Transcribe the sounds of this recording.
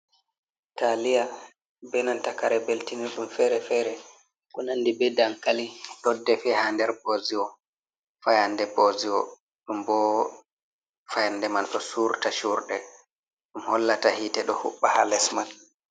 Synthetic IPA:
talija | bɛnantakaɾɛbeltiniɾɗumfɛɾɛfɛɾɛ | kunandibɛdaŋkalitɔdːɛfɛhandɛɾboːziwɔ | fajandɛboziwɔ | ɗumbɔ | fajandɛmanɗɔsuɾtaʃuɾɗɛ | ɗumhɔlːatahitɛɗɔhṵɓːahalɛsman

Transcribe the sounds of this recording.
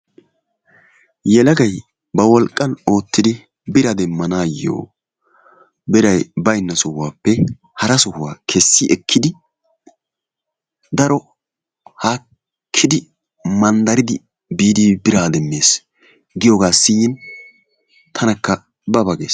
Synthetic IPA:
jɛlɐɡɐj | bɐwɔlkʼːɐno̞ːt̪ːɪd̪ɪ | bɪɾɐd̪ɛmːɐnaːjːo̰ː | bɪɾɐjbɐjnːɐsɔhʊwaːpːɛ | hɐɾɐsɔhʊwa̰ːkʰɛsːɪʔɛkʰːɪd̪ɪ | d̪ɐɾɔ | haː | kʰːɪd̪ɪ | mɐnd̪ɐɾɪd̪ɪ | biːd̪ibɪɾaːd̪ɛmːeːs | ɡɪjɔːɡaːsːɪjɪn | t̪ʰɐnɐkːɐ | bɐbɐɡḛːs

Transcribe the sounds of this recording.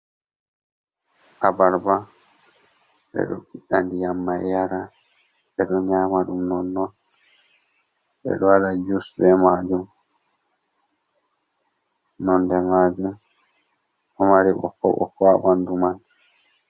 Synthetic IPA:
ʔabaɾba | ɓɛ̰ɗɔ̰ɓiɗːandijamːajjaɾa | ɓɛɗɔɲaːmaɗumnɔnːɔn | ɓɛ̰ɗɔwalad͡ʒusbɛmad͡ʒum | nɔndɛmaːd͡ʒum | ʔɔmaɾiɓɔ̰kːɔ̰ɓɔ̰kɔaɓanduman

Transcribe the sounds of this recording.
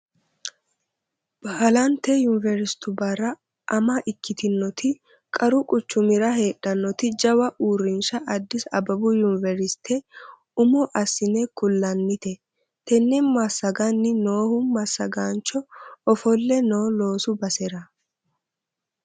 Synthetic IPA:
b̥alɐnt̪ɛjʊnɪvɛɾɪst̪ʊbɐrɐ | ʔɐmɐʔɪkːɪt̪ɪnːɔt̪ɪ | kʼɐɾʊkʼʊt͡ʃːʊmɪɾɐɦe̞ːᶑɐnːɔt̪ɪd͡ʒɐwɐʔuːrːɪnʃɐʔɐd̪ːɪsɐ̰bɐbʊjʊnvɛɾɪst̪ʰɛ | ʊmɔʔɐsːɪnɛkʊlːɐnːɪt̪ɛ | t̪ɛnːɛmɐsɐɡanːɪno̞ːhʊmɐsːɐɡaːnt͡ʃːɔɔfɔlːɛno̞ːlo̞ːsʊbɐsɛɾɐ

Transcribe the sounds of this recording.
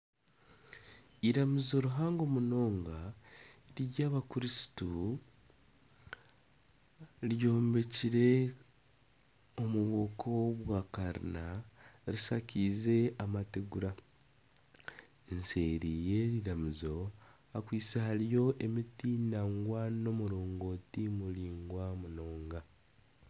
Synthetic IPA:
iɾamizo̞ɾuɦaːŋɡo̞muno̞ːŋɡa | ɾijaːβakuɾisi̥tu | ɾjo̞ːmbe̞ciɾe̞ | omuβo̞ːkʰoβwaːkaɾḭnaɾisacize̞amateɡuɾa | enseɾije̞ɾiɾamuzo̞ | akwiːt͡sehaɾijo̞ʔemitinaŋɡwano̞muɾo̞ːŋɡo̞ːtimuliːŋɡwamuno̞ːŋɡa

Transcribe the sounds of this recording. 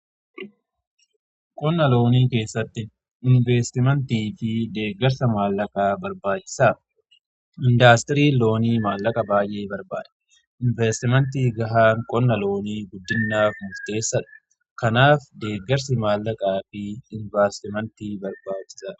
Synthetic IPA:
kʼɔnːɐlo̞ːniːke̞ːsːɐt̪ːɪ | ɪnveːst̪ɪmɐnt̪iːfɪd̪e̞ːɡːɐɾsɐmaːlːɐkʼaːbɐɾbaːt͡ʃːɪ̥saː | ɪnd̪aːst̪ɪɾiːlːo̞ːniːmaːlːɐkʼɐbaːjʔe̞ːbɐɾba̰ːᶑ̪ɐ̥ | ʔɪnvest̪ɪmɛnt̪̬iːɡɐɦaːŋkʼɔnːɐlo̞ːniːɡʊd̪ːɪnːaːfmʊɾt̪e̞ːsːɐᶑɐ̥ | kɐnaːfd̪eːɡːɐɾsɪmaːlːɐkʼaːfɪɪnvaːst̪ɪmɐnt̪iːbɐɾbaːt͡ʃːɪ̥saː

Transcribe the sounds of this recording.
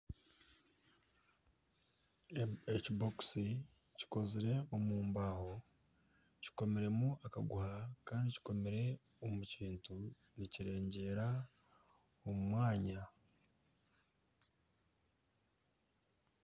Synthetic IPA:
et͡ʃboksi | ci̥ko̞ziɾe̞omuːmbaːho̞ | ci̥ko̞me̞ɾe̞muaka̰ɡuhakaːndici̥ko̞me̞ɾe̞ | omuciːntu | niciɾe̞ːɲɟe̞ːɾa | omumwaːɲa

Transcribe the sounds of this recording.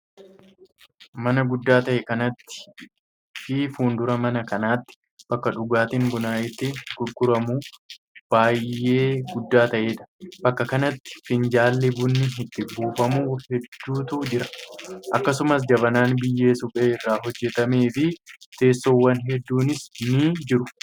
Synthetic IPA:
mɐnɐɡʊd̪ːaːt̪ɐʔɛkɐnɐt̪ːɪ̥ | fiːfuːnd̪ʊɾɐmɐnɐkɐnaːt̪ːɪ̥ | b̥ɐkːɐᶑʊɡaːt̪ɪŋbʊnaːʔɪt̪ːɪɡ̥ʊɾɡʊɾɐmuː | b̥aːjːe̞ːɡʊd̪ːaːt̪ɐʔeːᶑ̪ɐ̥bɐkːɐkɐnɐt̪ːɪ̥fɪnd͡ʒaːlːɛbʊnːɪɦɪt̪ːɪbuːfɐmuːhɛd̪ːuːt̪uːd͡ʒɪɾɐʔɐkːɐs̬ʊmɐs̬d͡ʒɐbɐnaːnbɪjːe̞ːsʊkʼeːɪrːaːɦɔd͡ʒːɛt̪ɐme̞ːfɪt̪e̞ːsːoːwːɐnɦɛd̪ːuːnɪsniːd͡ʒɪɾʊ

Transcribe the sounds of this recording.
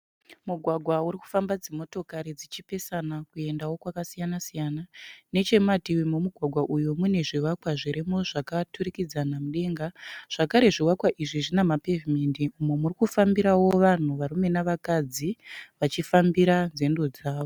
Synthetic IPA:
muɡʱwaɡʱwauɾiku̥fambad͡zemo̞to̞kaɾid͡zit͡ʃipe̞sanakue̞ndawo̞kwakasijanasijanane̞t͡ʃe̞matiwimomuɡʱwaɡʱwaʔujomune̞ʐiwakwaʐiɾe̞mo̞ʐakaturikid͡zanamuɗe̞ːŋɡaʐ̥akaɾe̞ʐiwakwaʔiʐiʐinamapevimendiumemurikufambiɾawo̞ʋan̤uʋaɾume̞naʋakad͡ziʋat͡ʃifambiɾanze̞ndo̞d͡zaːʋo

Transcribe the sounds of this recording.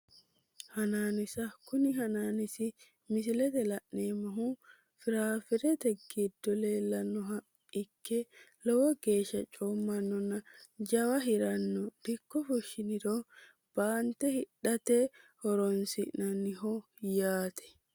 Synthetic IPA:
hɐnaːnɪsɐkʊnɪɦɐnaːnɪsɪ | mɪsɪlɛt̪ɛlɐʔnːeːmːɐɦu | fɪɾaːfɪɾɛt̪ɛɡɪd̪ːɔle̞ːlːɐnːɔɦɐ | ɪkʰːɛlɔwɔɡeːʃːɐt͡ʃʼoːmːɐnːɔnɐd͡ʒɐwɐɦɪɾɐnːɔd̪̥ɪkːɔfɔʃːɪnɪɾo | b̥aːnt̪ɛhɪɗɐt̪ɛhɔɾɔnsɪʔnɐnːɪɦɔ | jaːt̪ʰɛ̥

